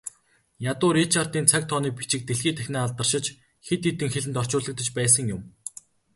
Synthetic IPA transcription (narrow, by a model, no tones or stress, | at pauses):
jat̪ʊːɾit͡ɕʰart̪iːnt͡sʰak̚t̪ʰɔniːk̚pi̥t͡ɕɪ̆k̚t̪eɮxiːt̪ʰæxʲnæːɮt̪ə̆r̥ʃɪ̆t͡ɕ | xet̪ːit̪ɘ̆ŋxeɮɘ̆nt̪ɔr̥t͡ɕʊːɮə̆k̚t̪ə̆t͡ɕpæːs̬ə̆ŋjʊm